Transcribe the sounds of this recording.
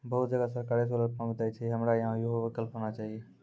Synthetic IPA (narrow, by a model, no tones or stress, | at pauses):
boːʊt̪̚d͡ʒəɡasəɾkaːɾisolət̪̚pə̃ŋɡt̪aːit͡ʃʰeɦəmɾaɪɦãjoɦoʋɪkəlfɦoːnat͡ʃaːɦieː